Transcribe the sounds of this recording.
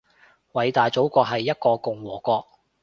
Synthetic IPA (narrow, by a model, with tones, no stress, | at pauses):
wɐ˨˧jt̪aː˨jt͡so˨˥wkʷɔː˧k̚ɦɐ˨jːɐ˥t̚kɔː˧kʊ˨ŋwɔː˨˩kɔː˧k̚